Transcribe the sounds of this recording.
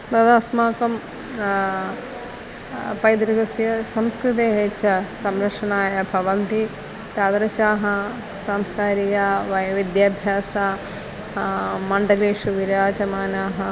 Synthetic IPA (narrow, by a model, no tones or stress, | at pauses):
d̪ɐd̪ɐːsmaːkɐm | pɐjd̪ɾɐɡɐsjɐsɐmskɾut̪̬eːɦet͡ʃɐsɐmɾɐkʂɐnaːjɐbʱɐʋɐnt̪i | t̪aːd̪ɾɐʃaːɦɐ | saːmskaːɾijaːʋɐjɐʋid̪jaːbʱjaːsaː | mɐɳɖɐleːʃuʋiɾaːt͡ʃɐmaːnaːɦɐ